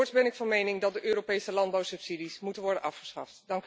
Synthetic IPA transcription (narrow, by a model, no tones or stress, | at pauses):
ɔɹtsbɛnɪkfɑnmejnɪŋdɑtdəʔøːɾopejsəlɑnd̚bɑwsɵpsidismutənʋɔɹdənʔɑfχə̥sχɑ̰ftdɑŋk